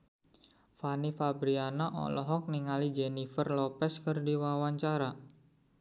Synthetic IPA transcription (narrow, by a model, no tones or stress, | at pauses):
fanifabɾianaʔɔ̰lɔɦɔk̚niŋalid͡ʒenifərlɔpɛskərdiwawaɲt͡ʃaɾa